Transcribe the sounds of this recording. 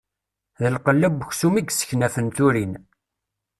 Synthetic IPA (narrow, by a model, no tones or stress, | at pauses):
ðəlqəlːæbəçsumiɡsə̥çnæfənt̪uɾin